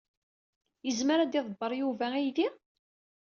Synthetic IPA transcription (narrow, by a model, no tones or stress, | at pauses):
jəzməɾæd̪iðˤəbːəɾˤjuvææjði